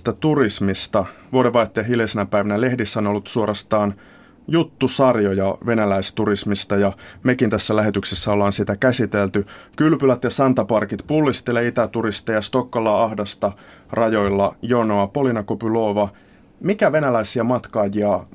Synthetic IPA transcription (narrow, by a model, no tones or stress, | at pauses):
t̪æt̪urismist̪ɑʋuodeʋɑit̪ːeɑɦilesenæpæiʋænæle̞hdisːæonolːut̪suoɾɑst̪ɑːn | jut̪ːusɑrjojɑʋe̞nælæist̪urismist̪ɑjɑmekint̪æsːælæɦet̪yksesːæolːɑːnsit̪ækæsit̪elt̪ykylpylæt̪jɑsɑnt̪ɑpɑrkit̪pulːist̪eleit̪æt̪uɾist̪ejɑst̪o̞kːɑlɑɑhdɑst̪ɑ | rɑjo̞jlːɑjonoɑpo̞linɑkopylo̞ːʋɑ | mikæʋe̞nælæisiæmɑt̪kɑːjiɑ